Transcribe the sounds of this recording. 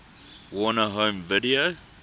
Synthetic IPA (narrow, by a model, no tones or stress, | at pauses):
wɔnəɦõːmvɪdio